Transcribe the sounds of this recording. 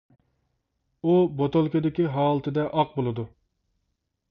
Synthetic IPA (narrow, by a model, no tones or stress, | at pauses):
ubot̪ʰolˠkʲod̪ɪkʲiɦɑːlˠɨt̪ʰɨd̪ɛʔɑq̚bolˠɨd̪u